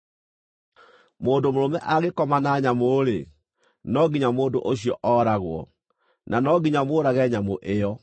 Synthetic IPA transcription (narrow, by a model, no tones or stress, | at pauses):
moːndomoɾomɛʔaɣekɔmanaɲamoɾḛ | nɔɡiɲamoːndoʔoɕiɔ̰ʔɔɾaɣwɔ̰ | nʔanɔɡiɲamoːɾaɣɛɲamoʔejɔ